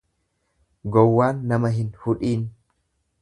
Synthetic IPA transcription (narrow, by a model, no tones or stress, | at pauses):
ɡɔwːaːnːɐmɐɦɪnhʊᶑiːn